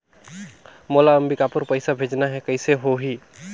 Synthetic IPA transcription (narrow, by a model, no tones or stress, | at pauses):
moːlaəmbikapəɾpəɪsabʱeːd͡ʒnaɦɛkɐɪseɦoɦiː